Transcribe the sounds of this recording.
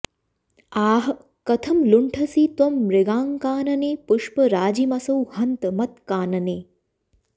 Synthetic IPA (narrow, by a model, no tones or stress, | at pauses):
aːɦɐ | kɐt̪ʰɐmluɳʈʰɐsit̪omɾeɡaːŋkaːnɐneːpuʂpɐɾaːd͡ʒimɐsɐwhɐnt̪mɐt̪kaːnɐneː